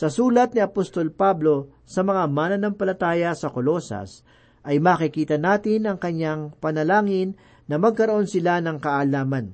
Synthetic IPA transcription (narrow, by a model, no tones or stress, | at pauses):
sɐsuːlɐt̪̚niɐpost̪o̞lpablo̞ | sɐmɐŋamaːnɐnɐmpɐlɐt̪aːjɐsɐkolo̞sɐ̰s | ʔɐjmaːkɪkiːt̪ɐnaːt̪ɪnɐŋkɐɲaŋpɐnɐlaːŋɪnː | ɐmɐɡ̚kɐɾoʔo̞nsɪlanɐŋkɐʔalaːmɐn